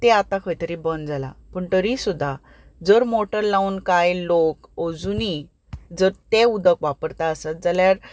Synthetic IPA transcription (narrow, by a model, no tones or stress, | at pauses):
t̪eat̪ãkʰəjt̪əɾibənd͡zala̰pəɳt̪əɾisud̪ʱːa | d͡zəɾmoʈəɾlaunkajlokod͡zuni | d͡zəɾt̪eud̪əkʋapəɾt̪aəsat̪̚d͡zəljaɾ